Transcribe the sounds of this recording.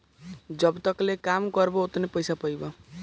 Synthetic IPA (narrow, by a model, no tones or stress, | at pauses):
d͡ʒʌbt̪ʌklekamkʌɾboot̪nepəjsapʌjbɔ